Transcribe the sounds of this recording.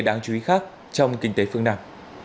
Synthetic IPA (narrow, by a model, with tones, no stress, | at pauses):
ɗaː˧˩ŋt͡ɕu˨˧˦i˨˦xaː˦˥k̚ | t͡ɕɔ˧wŋ͡mkï˧ŋ̟t̪e˨˦fɨ˧əŋnaː˧m